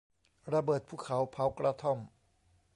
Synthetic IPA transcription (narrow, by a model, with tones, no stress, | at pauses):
ɾa˧bɤː˨˩t̪̚pʰuː˥˩kʰa˩˦wpʰa˨˦˥wkɾa˧t̪ʰo˥˩m